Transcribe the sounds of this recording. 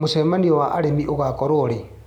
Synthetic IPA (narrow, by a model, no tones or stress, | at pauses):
musemaniɔwaʔaɾemiʔoɣakoɾoɾe